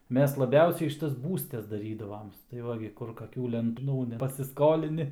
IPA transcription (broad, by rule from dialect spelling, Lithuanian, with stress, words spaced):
ˈmʲɛs lˠɐˈbʲɛʊsʲɛɪ ˈʃʲɪtɐs ˈbuːsʲtʲɛs ˈdɑːrʲiːdɐʋoːms tɐɪ ˈʋɐ ɡʲɪ ˈkʊr kɐˈkʲuː lʲɛnˈtuː pɐsʲɪsˈkoːlʲɪnʲɪ